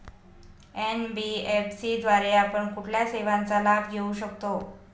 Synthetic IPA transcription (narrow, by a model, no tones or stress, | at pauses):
enbiefsid̪ʋaɾeapəɳkuʈʰljaseʋãnt͡salabʱɡʱeuɕəkt̪o